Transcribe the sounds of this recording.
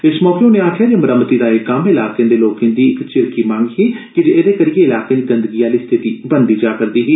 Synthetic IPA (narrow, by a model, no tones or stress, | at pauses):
ɪsmɔːkeʊneːaːʈʰjaːd͡ʒeːməɾəmət̪iːd̪aːekamɪlaːkẽːd̪eːloːkẽnd̪iːɪkt͡ʃɪɾkiːmãːŋɡɦiːkɪd͡ʒeːeːd̪eːkəɾijeːɪlaːkẽːd̪iːɡə̃nd̪əɡijaːliːst̪ʰɪt̪iːbənd̪iːd͡ʒaːkəɾd̪iːɦiː